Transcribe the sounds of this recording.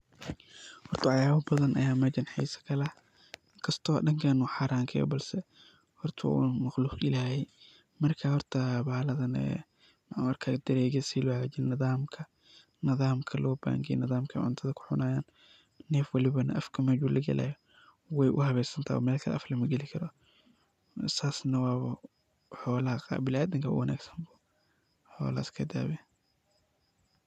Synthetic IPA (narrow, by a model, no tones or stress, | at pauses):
hɔrt̪ʰɐʕɑjaːβɐbɐðɐnʔɐjaːmɐd͡ʒɐnħḭːsɐ̥kʰɐlɐ | ɪŋkʰɐst̪ʰɔːɗɐŋkʰɐnʊħaːɾʔaːŋkʰɛ̰jɔ̰bɐlsɛ | hɔrt̪ʰɐ̰mɐxluːqɪlaːhɛ | mɐrkʰahɔrt̪ʰɐbaːlɐðɐnɛ̰ | mʕɐrkʰaːɡd̪ɐɾɛːɡɛsiːlwɣd͡ʒɪnnːɪðaːmkʰɐ | nɪðaːmkʰɐlʔɔːba̰ːŋɡɛj̰nɪðaːmkʰɐ̰ʕʊ̰nt̪ʰɐðɐkʰʊ̥ħʊnaːjaːn | nɛːfwɐlɪβɐnɐʔɐfkʰɐmɛːd͡ʒuːlʔɐɡɐ̰lʔa̰ːjɔ | wɛjʔʊhɐβɛsɐnt̪ʰaːɔ̰mɛːlkʰɐʔɐ̰flɐmɐɡɛlɪkʰɐɾɔ | saːsnɐwɑːβɐ | ħɔːlɐhɐqa̰bɪlaːd̪ɪŋkʰɐ̰wɐna̰ːɡsɐ̥mbuː | ħɔ̰ːlɐskʰɐd̪a̰ːβɛ